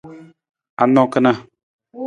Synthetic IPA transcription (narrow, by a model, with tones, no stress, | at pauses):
a˨nɔ̃˦kə˦na˦˨